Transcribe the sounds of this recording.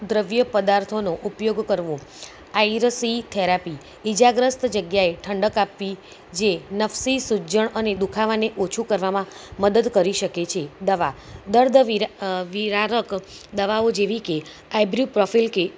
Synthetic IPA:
d̪ɾəʋjəpəd̪aɾt̪ʰonoʔupjoɡkəɾʋũ | aiɾsit̪ʰeɾapi | id͡ʒaɡɾəst̪d͡ʒəɡjaeʈʰəɳɖəkapʋi | d͡ʒenəfsisud͡ʒəɳəned̪ukʰaʋaneʔot͡ʃʰukəɾʋamãməd̪əd̪kəɾiʃəket͡ʃʰed̪əʋad̪əɾd̪ʱiʋiɾaɾək | d̪əʋaod͡ʒeʋike | ajbɾjupɾɔfʰilke

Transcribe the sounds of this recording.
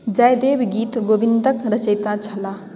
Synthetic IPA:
d͡ʒajd̪eːbɡiːt̪ɡoːbɪnd̪əkɾɐt͡ʃəjt̪at͡ʃʰɐlaː

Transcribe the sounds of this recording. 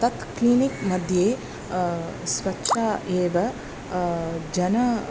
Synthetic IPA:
t̪ɐt̪kliːnikmɐd̪ʱjeː | sʋɐtːʃʰaːʔeːʋɐ | d͡ʒɐnɐ

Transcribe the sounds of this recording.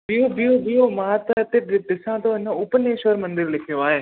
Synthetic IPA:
bioːbioːbioːmaːt̪t̪eːd̪ɪsãːt̪õːɪnːãːʊpəneːʃəɾmə̃nd̪ɪɾlɪkʰjoːaːeː

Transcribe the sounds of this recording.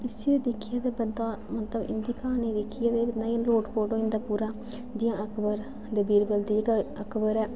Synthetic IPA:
ɪsid̪ɪkʰːɪjaːd̪eːbənd̪ãːmət̪ləbɪ̰nd̪iːkʰaːniːd̪ɪkʰɪjaːd̪eːbənd̪ãːloːʈpoːʈõːɪ̃nd̪aːpuːɾaː | d͡ʒɪjãːʔəkʰbəɾ | d̪əbiːɾbəld̪id͡ʒkəkbəɾɛː

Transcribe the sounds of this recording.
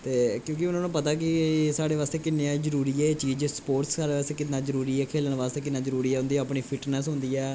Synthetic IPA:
t̪eːkjõːkiʊnãːnũːpət̪aːk̬ɪsaːɽeːʋaːst̪eːkɪnːeãːd͡ʒəɾuːɾiːɛːt͡ʃiːd͡ʒspoːɾʈssaːɾeːaːst̪eːkɪt̪nãːzəɾuːɾiːɛːkʰeːləɳʋaːst̪eːk̬ɪnːãːzəɾuːɾiːɛːɦʊ̃nd̪iːɛəpɳiːpʰɪʈnɛs̬ɦʊ̃nd̪iːɛː

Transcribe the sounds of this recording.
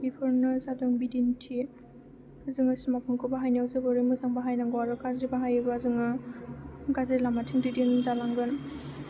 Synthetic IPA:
bipʰɯɾnɯzadɯŋbidintʰi | azɯŋasmapʰɯŋkʰɯbaɦajniawzɯbɔɾimɯzaŋbaɦajnaŋɡɔwaɾɯɡazibaɦajɯbɯazɯŋɯ | ɡazilamatʰiŋdidienzalaŋɡɯn

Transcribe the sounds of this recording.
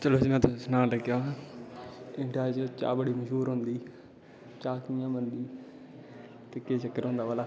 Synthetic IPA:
t͡ʃəloːd͡ʒmɛ̃ːt̪ʰʊsnãːləkjãː | ɪ̃ʈaːd͡ʒt͡ʃa̰ːbəɽiːməʃɦuːɾɦʊ̃nd̪iː | t͡ʃaːkijãːmənd̪iː | t̪ekeːd͡ʒəkːəɾɦõːnd̪aːʋaːlaː

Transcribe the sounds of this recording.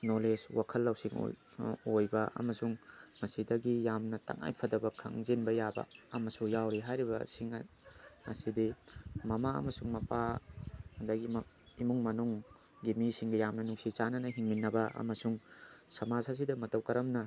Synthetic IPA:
noleswakʰɐlːɐwsiŋ̰ | ojbɐʔɐ̰mɐsuŋmɐsidɐɡijamnɐtɐ̰ŋa̰jpʰɐdɐbɐkʰɐ̰ŋzinbɐjabɐ̰ɐmɐsujawɾiɦajɾibɐsiŋ̰ | ɐ̰sidimɐmaɐ̰mɐsuŋmɐpa | dɐɡim | imuŋmɐnuŋ | ɡimisiŋɡijamnɐnuksit͡ʃanɐnɐɦiŋminːɐbɐɐ̰mɐsuŋsɐmazhas̬idɐmɐtɐwkɐɾɐmnɐ

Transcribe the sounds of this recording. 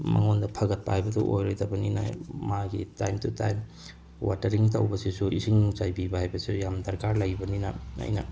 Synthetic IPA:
mɐ̰ŋondɐpʰɐɡɐt̚paajbɐduʔojɾojtɐbɐnḭna̰maɡitajmtutajm | wa̰tɐɾiŋtɐwbɐsisuisiŋzajbibɐhajbɐsisjamdɐɾkaɾlajbɐninɐa̰jnɐ̰

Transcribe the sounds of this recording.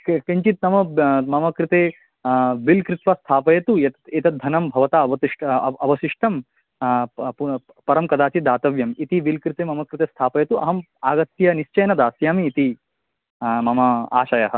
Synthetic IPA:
kiɲt͡ʃit̪nɐmɐmɐmɐkɾit̪eː | ʋilkɾit̪ʋɐst̪ʰaːpɐjɐt̪uet̪eːt̪ɐd̪ʱɐnɐmbʱɐʋɐt̪aːɐʋɐt̪iʂʈɐʋɐʃiʂʈɐm | u | pɐɾɐmkɐd̪aːt͡ʃid̪aːt̪ɐʋjɐmit̪iʋilkɾit̪eːmɐmɐkɾit̪eːst̪ʰaːpɐjɐt̪uɐ̰ɦɐm | aːɡɐt̪jɐniʃt͡ʃɐjnɐd̪aːsjaːmiːt̪i | mɐmɐa̰ːʃɐjɐɦɐ̆

